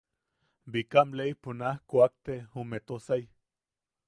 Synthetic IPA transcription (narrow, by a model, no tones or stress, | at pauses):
bikamlejponahkoak̚t̪eumet̪osaj